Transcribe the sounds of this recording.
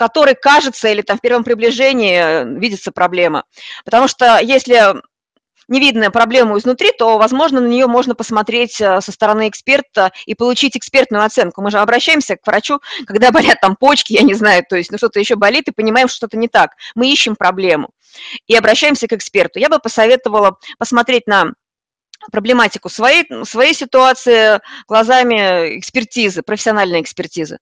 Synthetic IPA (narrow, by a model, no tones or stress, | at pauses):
kɐt̪o̞ɾɨjkaʐɨt̪səilʲɪt̪amfpʲe̞rvəmpɾʲɪblʲɪʐenʲɪːvʲidʲɪt̪səpɾɐblʲe̞mə̰pə̥t̪ɐmuʂt̪ojesʲlʲɪ | nʲɪvʲid̪nəjəpɾɐblʲe̞məʊɪznʊt̪ɾʲit̪o̞vɐzmo̞ʐnənənʲɪjo̞mo̞ʐnəpəsmɐt̪ɾʲetʲəsəst̪əɾɐnɨɪkspʲe̞rt̪əipəlˠʊt͡ɕitʲɪkspʲe̞rt̪nʊjʊɐt̪sɛnkʊmɨʐɨɐbɾɐɕːæjɪmsʲəkvɾɐt͡ɕukɐɡd̪abɐɾʲat̪ːampo̞t͡ɕkʲɪjanʲɪznajʊt̪o̞ɪsʲtʲnuʂt̪o̞t̪əjɪɕːobɐlʲit̪ɨpənʲɪmaɪmʂt̪oɛt̪ənʲɪt̪akmɨiɕːɪmpɾɐblʲe̞mʊ̰ | iɐbɾɐɕːæjɪmsʲəkɨkspʲe̞rt̪ʊjabɨpəsɐvʲe̞t̪əvəlˠəpəsmɐt̪ɾʲet̚ʲnə | pɾəblʲɪmatʲɪkʊsvɐesvɐjejsʲɪt̪ʊat̪sɨɪɡ̥lˠɐzamʲɪɪ̰kspʲɪrtʲizɨpɾəfʲɪsʲɪɐnalʲnɨjəɪkspʲɪrtʲizɨ̰